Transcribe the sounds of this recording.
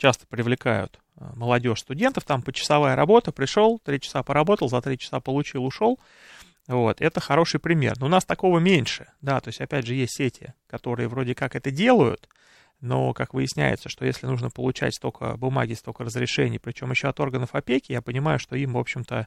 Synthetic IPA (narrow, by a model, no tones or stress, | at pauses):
t͡ɕast̪ə̥pɾʲɪvlʲɪkajʊ̰t̪ | məlˠɐdʲo̞ʂst̪ʊdʲe̞nt̪əft̪ampət͡ɕɪ̥sɐvajəɾɐbo̞t̪əpɾʲɪʂolˠt̪ɾʲit͡ɕɪ̥sapəɾɐbo̞t̪əlˠzɐt̪ɾʲit͡ɕɪ̥sapəlˠʊt͡ɕilˠʊʂo̞lˠ | vo̞t̪ɛt̪əxɐɾo̞ʂɨjpɾʲɪmʲe̞̰rnoːnast̪ɐko̞vəmʲenʲʂɨd̪at̪o̞ɪsʲtʲɐpʲædʲʐɨjestʲsʲetʲʰɪ̰kɐt̪o̞ɾɨjəvɾo̞dʲɪkakɛt̪ədʲe̞lˠəjʊ̰t̪ | no̰kakvɨjɪsʲnʲæ̰jɪ̰t̪səʂt̪o̞jesʲlʲɪnuʐnəpəlˠʊt͡ɕæ̰tʲst̪o̞kə̰bʊma̰ɡʲɪst̪o̞kərəzɾʲɪʂɛnʲɪjpɾʲɪt͡ɕo̞mjɪɕːoɐt̪o̞rɡənəfɐpʲekʲɪjapənʲɪmajʊʂt̪o̞imvo̞pɕːɪmt̪ə